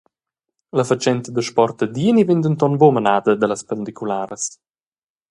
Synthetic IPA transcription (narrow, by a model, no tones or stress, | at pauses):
ləfat͡ʃɛnt̪əd̪əʃpɔrt̪əd̪iənivend̪ənt̪ɔnbomənaːd̪əd̪əlaspənd̪ikulaːɾəs